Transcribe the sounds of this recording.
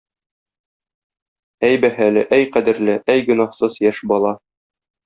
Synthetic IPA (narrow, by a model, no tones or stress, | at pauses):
æjbæhælɘʔæjqæd̪ɘ̆ɾlɘʔæjɡɵ̆nɑhsɤzjæʃbɒlˠɑ